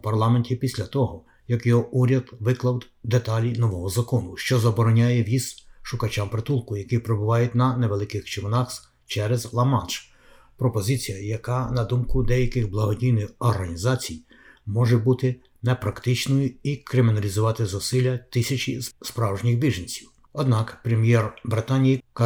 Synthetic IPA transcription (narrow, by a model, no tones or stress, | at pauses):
pɐrlˠɑmenʲtʲipʲisʲlʲɐt̪ɔɦɔ | jɐkjɔɦɔʔuɾʲɐd̪ʋɪklˠɐwd̪ | d̪et̪ɑlʲinɔʋɔɦɔzɐkɔnʊʃt͡ʃɔzɐbɔɾɔnʲajɛʋʲizʃʊkɐt͡ʃampɾet̪ulˠkʊjɐkipɾebʊʋɑjʊt̚ʲnɐneʋelˠɪkɪxt͡ʃɪʋnɑx | t͡ʃɛɾɛzlˠɐmɑt͡ʃ | pɾɔpɔzɪt͡sʲijɐjɐkɑnɐd̪umkʊd̪ɛjɐkɪɣblˠɐɦɔdʲijnɪxɔrɦɐnʲizɑt͡sʲij | mɔʒɛbut̪ɪ | nɛpɾɐkt̪ɪt͡ʃnɔjʊikɾɪmʲɪnɐlʲizʊʋɑt̪ɪzɔsɪlʲːɐt̪ɪsʲɐt͡ʃḭspɾɑwʒnʲɪxbʲiʒɐnʲt͡sʲiw | ɔd̪nɑkpɾemʲjɛrbɾɪt̪ɑnʲijik